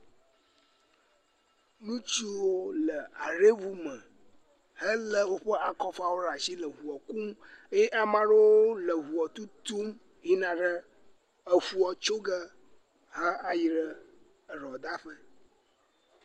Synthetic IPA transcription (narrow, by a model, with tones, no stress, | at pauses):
nũ˦t͡ʃi˦wo˦lə˨a˨ɖe˦vu˦mə̃˨ | hə˦lə˦wo˦ɸə˦ʔa˨kɔ˦fa˦wo˦ɾa˨si˦lə˨ɦu˨ɔ˨ku˦me˦jɛ˦ʔa˨mã˦ɖə˦wo˦lə˨ɦu˨ɔ˨t̪u˦t̪u˦m | ji˦nã˨ɖə˦ | ə˨fu˨ɔ˨t͡ʃo˦ɡə˦ | hə˦a˨ji˨ɖə˦ | ə˨ɾɔ˨d̪a˦ɸə˦